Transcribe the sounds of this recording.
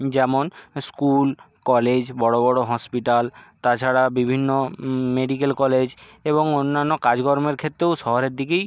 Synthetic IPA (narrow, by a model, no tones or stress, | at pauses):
d͡ʑɛmonskul | kɔled͡ʑbɔɽobɔɽoɦɔspiʈalt̪at͡ɕʰaɽabibʱinːomeɖikelkɔled͡ʑ | eboŋonːanːokad͡ʑɡɔɾomeɾkʰet̪ːɾewʃɔɦoɾeɾd̪ʱikej